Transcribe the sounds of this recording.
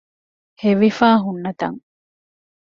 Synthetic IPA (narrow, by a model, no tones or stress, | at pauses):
heʋifaːɦunːɐt̪ɐ̰ŋ